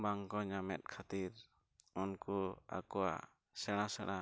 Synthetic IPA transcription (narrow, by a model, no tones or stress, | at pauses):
baŋkɔɲamɛ̰t̪̚ˀkʰat̪iɾ | unkua̰kɔwa̰ | sɛɽ̃asɛɽ̃a